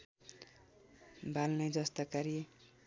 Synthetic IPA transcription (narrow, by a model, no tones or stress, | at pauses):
bʱalnʌjd͡zʌst̪ʌkaɾi